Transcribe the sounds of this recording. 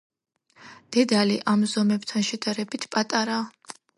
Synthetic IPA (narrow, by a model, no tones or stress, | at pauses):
d̪̥ɛd̪aliʔamzɔmɛbt̪ʰanʃɛd̪aɾɛbit̪ʰpʼat̪ʼaɾa